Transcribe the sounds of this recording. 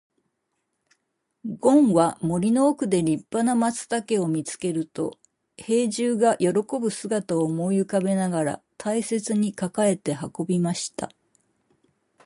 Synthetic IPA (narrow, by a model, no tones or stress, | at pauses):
ɡõ̞ɰ̃βamo̞ɾʲino̞ːkɯ̟d̪e̞ɾʲipːanamat͡sɨ̥t̪ake̞o̞mʲit͡sɨ̥ke̞ɾɯ̟t̪o̞̰ | he̞ːʑɨːɡajʔo̞ɾo̞ko̞bɯ̟sɨɡat̪ao̞mo̞ːjɯkabe̞naɡaɾa̰t̪ʰaise̞t͡sɨɲ̟ikakae̞t̪e̞hako̞bʲimaɕi̥t̪a̰